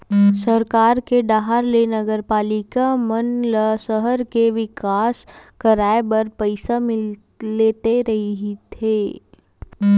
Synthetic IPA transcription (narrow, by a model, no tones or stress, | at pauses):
sɐɾkaːɾkeɖaːɦaɾlenɐɡəɾpaːlɪkamənləsəɦəɾkeʋɪkaːskɐɾaːebɐɾpəɪsamɪlː | eːt̪eɾɐɦiɦit̪ʰeː